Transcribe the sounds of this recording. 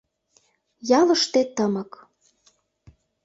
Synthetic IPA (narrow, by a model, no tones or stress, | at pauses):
jɑlɤ̆ʃt̪et̪əmɤ̆k